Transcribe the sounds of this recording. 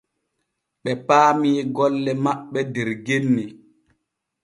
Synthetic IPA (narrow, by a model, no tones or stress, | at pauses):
ɓɛpaːmiɡɔlːɛmaɓːɛdɛɾɡenːi